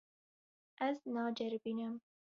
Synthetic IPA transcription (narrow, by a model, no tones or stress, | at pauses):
aznɑːd͡ʒaɾbinam